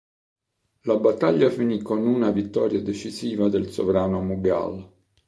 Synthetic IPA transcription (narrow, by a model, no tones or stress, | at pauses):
labat̪ːaʎːafinikːonunavit̪ːɔːɾjad̪et͡ʃisiːvad̪elso̰vɾaːnomubja̰l